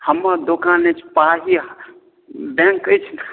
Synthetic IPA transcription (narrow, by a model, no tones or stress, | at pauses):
həmːad̪okanet͡ʃʰpaɦi | bɛ̃ŋkət͡ʃʰn